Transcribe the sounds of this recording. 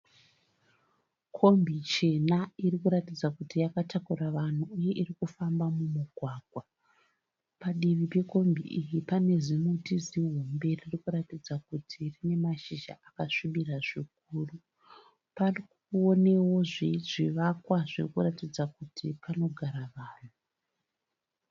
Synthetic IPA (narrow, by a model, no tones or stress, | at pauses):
kʰo̞mbit͡ʃe̞nairikuɾatid͡zakutijakatakuɾaʋan̤uuje̞ʔirikufambamumuɡʱwaːɡ̥ʱwa | paɗiʋipe̞ko̞mbʱḭʔijipane̞zinotiziɦumbe̞ririkuɾatid͡zakutʰirine̞maʃiʒa̰ʔakaʂiɓiraʐik̚uːru | parikuone̞wo̞ʐiʐiʋakwaʐirikuɾatid͡zakutipano̞ɡʱaɾaʋaːn̤u